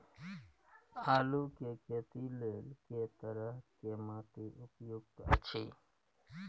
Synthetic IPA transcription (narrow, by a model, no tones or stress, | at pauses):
aːluːkekeːt̪ileːlket̪əɾəɦkeːmaːt̪eʔʊpjoːɡ̚t̪ət͡ʃʰḭː